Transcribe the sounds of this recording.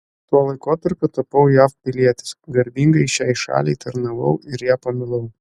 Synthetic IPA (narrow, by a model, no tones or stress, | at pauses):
t̪uɔlˠɐɪkoːt̪ɐɾʲpʲʊt̪ɐpɐʊjæːfpʲɪlʲiɛt̪ʲɪ̥sɡɐɾʲbʲiːŋɡɐɪʃʲæɪʃɑ̰ːlʲɛɪt̪ɐɾnɐʋɐʊɪɾjæːpɐmʲɪlˠɐʊ